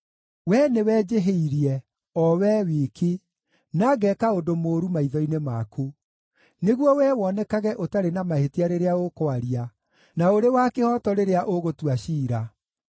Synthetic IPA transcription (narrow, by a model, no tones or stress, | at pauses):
wɛnewɛd͡ʑeɦeiɾiɛ | ɔwɛweke | naːɡɛkaodomoːɾumaiðɔinemaku | neɣwɔwɛwɔnɛkaɣɛʔotaɾenamahetiaɾeɾeaokwaɾia | naoɾewaːkehɔtɔɾeɾeaʔoɣotwaʃiːɾa